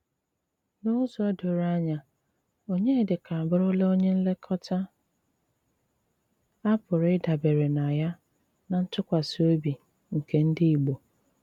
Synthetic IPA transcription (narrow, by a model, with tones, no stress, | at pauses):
no˦zɔ˨ɔ˦do˨ɾa˦ɲa˨ | o˦ɲe˦˨dɪ˨kʰa˨a˨bʊ˦ɾʊ˦le˦o˦ɲe˦n̩˦le˦kʰɔ˦tʰa˦ | a˦pʊ˨ɾɪ˦da˨be˨ɾe˨na˨ja˦ | na˨n̩˦tʊ˦kʷa˨so˦bi˨ | ŋ̩˨ke˨n̩˦dɪ˦i˨ɡ͡bo˨